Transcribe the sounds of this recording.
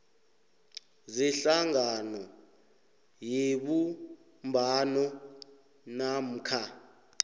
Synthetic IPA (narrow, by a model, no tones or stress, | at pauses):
zɛɬaŋanɔ | jeɓu | mbʱanɔ | nam̩kʰa